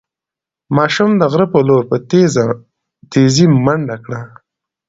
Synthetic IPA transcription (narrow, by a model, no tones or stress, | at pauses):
mɑʃumd̪əɣɾəpoloɾpət̪ea | t̪ezimaɳɖakɽa